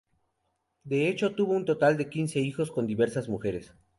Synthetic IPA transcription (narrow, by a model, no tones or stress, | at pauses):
d̪e̞et͡ʃo̞t̪uβo̞unt̪o̞t̪ald̪e̞kinse̞ixo̞sko̞nd̪iβe̞ɾsazmuxe̞ɾes